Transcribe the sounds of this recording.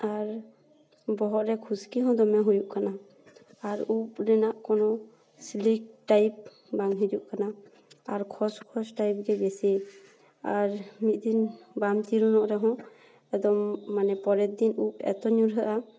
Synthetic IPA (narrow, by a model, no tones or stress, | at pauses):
aɾ | bɔɦɔʔɾɛkʰuskiɦɔ̃d̪ɔmɛɦujuʔkanaː | ɾup̚ɾɛnaʔkɔnɔ | slik̚ʈajp̚ | baŋɦid͡ʒuʔkana | aɾkʰɔskʰɔsʈajp̚ɡɛbɛsi | aɾmit̪̚d̪inbamt̪iɾunɔʔɾɛɦɔ̃ | ɛd̪ɔmːanɛpɔɾɛt̪̚d̪inup̚ɛ̰t̪ɔɲuɾɦəʔa